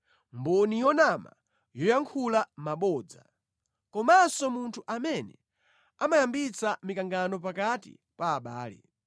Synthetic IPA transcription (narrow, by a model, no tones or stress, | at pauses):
mbɔnijɔnama̰ | jɔjaŋkʰulamaɓɔːd͡za̰ | kɔmasɔmuntʰuʔamɛnɛ̰ | amajambit͡samikaŋɡanɔp̬akatḭ | paːɓaːlɛ̰